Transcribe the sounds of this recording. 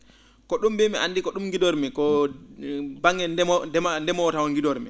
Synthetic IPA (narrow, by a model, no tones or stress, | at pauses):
kɔɗumbɛmiandikɔɗumɡidɔɾmɛkɔ | baŋɡɛnɛdɛmandɛmɔwtawɔnɡidɔɾmɛ